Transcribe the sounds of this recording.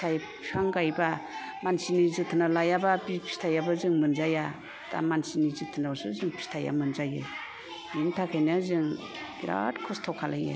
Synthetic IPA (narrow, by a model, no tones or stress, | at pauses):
aj | pʰaŋɡajba | mansinizɯtʰɯnalajababipʰi̥stʰajabazɯŋmɯnzaja | da̰mansinizɯtʰɯnasɯzɯŋpʰi̥stʰaja̰mɯnzajɯ | intʰakʰajnɯzɯŋ | ɡiɾa̰tkʰɔstʰɔkʰːalaja̰